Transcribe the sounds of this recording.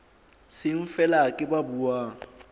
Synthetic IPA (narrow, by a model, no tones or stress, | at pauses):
sɪɱ̩fɛlakʼɪbabuaːŋ̩